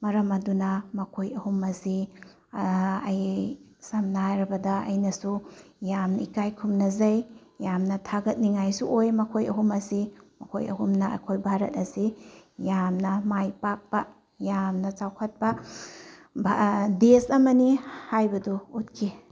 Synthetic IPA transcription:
mɐɾɐmɐdunɐmɐkʰojɐhumɐsi | ɐjsɐmnaɾɐbɐdɐɐ̰jnɐsu | jamnɐikajkʰumnɐzɐjjamnɐtʰaɡɐt̚niŋajsuʔojmɐkʰojɐɦumɐsimɐkʰo̰jɐ̰ɦumnɐɐ̰kʰojbʱaɾɐt̚ɐsijamnɐmajpak̚pɐ | jamnɐt͡ʃawkʰɐt̚pɐ | bʱadesɐmɐnihajbɐduːt̚kʰi

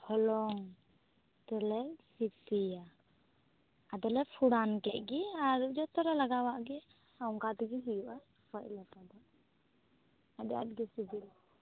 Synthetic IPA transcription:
hɔlɔŋ | t̪ɛlɛsit̪ija | ad̪ɛlɛpʰuɽankɛʔ̪̚ɡiaɾud͡ʒɔt̪ɔɾɛlaɡawaʔɡɛ | auŋkat̪ɛɡiɦijuʔa | paʔlɛpad̪ɔ | adɛja̰t̪̚ɡɛsit̪ila

